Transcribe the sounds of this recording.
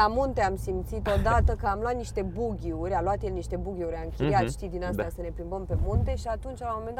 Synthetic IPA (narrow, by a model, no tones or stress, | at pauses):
amunt̪e̞amsimt̪sit̪o̞d̪at̪əkəamlwat̪̚niʃt̪e̞buɡʲiurʲalwat̪jelniʃt̪e̞buɡʲiuɾʲaɨŋkʲiijat̪ʃt̪id̪inast̪eɛasəne̞pɾimbəmpe̞munt̪e̞ʃiat̪unt͡ʃalamo̞me̞nd̪a